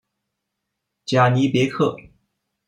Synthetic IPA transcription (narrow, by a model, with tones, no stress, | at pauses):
t͡ɕja˨˩ni˧˥pjɛ˧˥kʰɤ˥˩